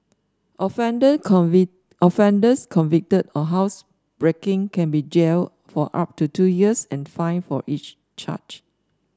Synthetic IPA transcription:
ʔɔfɛ̃ndə | ɔfɛ̃ndəskʰɔ̃nvik̚tədɔɦaʊs | b̥ɹekɪ̃ŋkɛ̃nbid͡ʒel | fɔʔa̰p̚tutʰujiəsɛ̃nfãɪnfɔʔit͡ʃ | t͡ʃa̰t͡ʃ

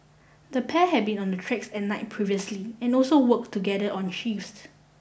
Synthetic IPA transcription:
dəpʰɛɦɛt̚bĩnɔ̃ndətʰɹɛksɛt̚naɪt̚pʰɹiviəsliɛ̃nɔlsowək̚tːuɡɛdəʔɔ̃nʃifs

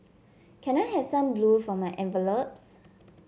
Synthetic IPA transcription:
kʰɛ̃naɪɦɛv̥sãmblufɹɔ̃maʔɛ̃nvəlop̚s

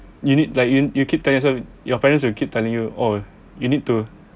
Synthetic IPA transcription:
junid̚laɪk̚jujukʰip̚tɛlĩŋjɔs̬ɛjɔpɛɹə̃ns̬wilkip̚tɛlĩŋjuo | junid̚tu

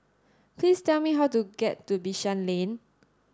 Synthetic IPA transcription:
plistɛlmiɦawtuɡɛtːubiʃãnlẽn

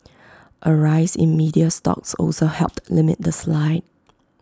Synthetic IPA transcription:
ʔəɹaɪsɪ̰̃nmidiəstɔ̰k̚sɔ̰lsohɛlp̚tlɪmɪ̰t̚d̪əslaɪd̚

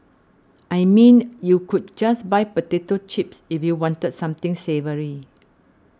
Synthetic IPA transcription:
ʔajmĩnjukʰud̚d͡ʒasbajpətetot͡ʃipsifjuwɔ̃ntədsãmt̪ɪ̃ŋsevəɹi

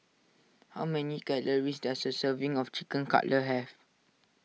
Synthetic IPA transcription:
hawmɛnikɛləɹisdɛsəsəvĩŋɔft͡ʃikə̃nka̰ʔləɦɛv

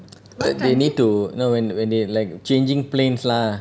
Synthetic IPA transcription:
bat̚denid̚tunowɛ̃nwɛ̃ndelajk̚t͡ʃẽnd͡ʒĩŋplẽnsla

